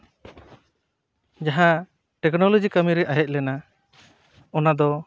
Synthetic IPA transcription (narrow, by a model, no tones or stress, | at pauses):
d͡ʒaɦã | ʈɛknɔlɔd͡ʒikamiɾɛʔajɛc̚lɛna | ɔnad̪ɔ